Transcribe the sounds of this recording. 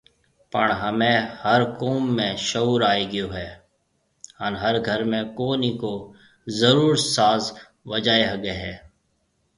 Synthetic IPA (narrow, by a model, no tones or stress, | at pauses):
pəɳɦəmẽːhəɾkoːmːẽːʃəuːɾaːeːɡɪjoːɦɛː | hənɦəɾɡʱəɾmẽːkoːniːkoː | zəɾuːɾsaːz | ʋəd͡ʒaːeɦəɡeːɦɛː